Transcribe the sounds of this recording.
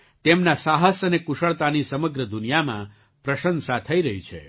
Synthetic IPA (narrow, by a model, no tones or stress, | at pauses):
t̪emnasaɦəsənekuʃəɭt̪anisəməɡɾəd̪unijamã̰ | pɾəʃənsat̪ʰəiɾəɦit͡ʃʰḛ